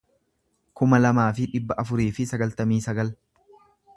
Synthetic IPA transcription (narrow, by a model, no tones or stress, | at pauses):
kʊmɐlɐmaːfɪᶑɪbːɐʔɐfʊɾiːfɪsɐɡɐlt̪ɐmiːsɐɡɐl